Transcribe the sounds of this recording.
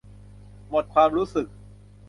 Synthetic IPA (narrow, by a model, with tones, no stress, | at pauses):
mo˨˩t̪̚kʰwaː˧mɾuː˦˥sɯ˨˩k̚